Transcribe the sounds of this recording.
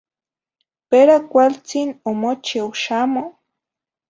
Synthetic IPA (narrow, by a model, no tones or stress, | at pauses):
peɾakʷalt͡sinomot͡ʃewʃamo